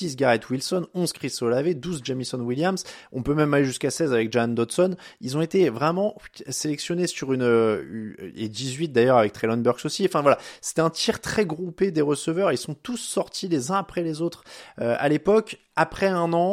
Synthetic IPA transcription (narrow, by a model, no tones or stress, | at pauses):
sis̬ɡʲaʁɛt̪wilsɔnɔ̃zkχisɔlaved̪uzd͡ʒamisɔnwiljamsɔ̃pømɛmaleʒyskasɛzavɛk̚ʒaand̪ɔt̪sɔnilzɔ̃et̪evʁɛmɑ̃selɛksjɔnesyʁynøy̰ḛd̪izɥit̪̚d̪ajœʁavɛk̚t̪χɛlɔnbœʁɡsosiɑ̃fɛ̃vwalase̥t̪ɛɛ̃t̪ʰiʁt̪χɛɡʁuped̪eʁəsəvœʁeilsɔ̃t̪usːɔʁt̪ʰilezɛ̃apχɛlezot̪χøa̰lepɔk | apχɛɛ̃nɑ̃